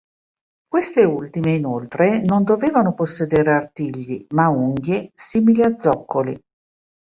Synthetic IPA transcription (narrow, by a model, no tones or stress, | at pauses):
kwest̪eult̪imeinolt̪ɾenond̪oveːvanoposːed̪eːɾeart̪iʎːimauŋɡjesiːmiliad̪zːɔkːolḭ